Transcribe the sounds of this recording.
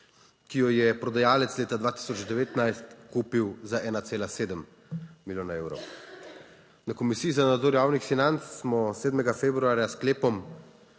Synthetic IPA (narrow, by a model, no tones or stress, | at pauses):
kijɔjɛpɾɔd̪ajaːlɛt̪sleːt̪ad̪ʋaːt̪i̥sɔt͡ʃd̪ɛʋeːt̪najst̪kuːpiwzaʔɛːnat̪seːlaseːd̪əm | milʲjoːnaewɾɔ̰w | nakɔmisiːizanad̪zɔɾjaːwnixfinant̪sːmɔseːd̪mɛɡafeːbɾuaːɾjaskleːpɔm